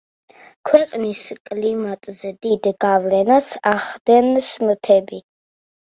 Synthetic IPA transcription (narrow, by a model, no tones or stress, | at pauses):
kʰwɛqʼniskʼlimat̪ʼzɛd̪id̪ɡavlɛnasaχd̪ɛnsmət̪ʰɛbi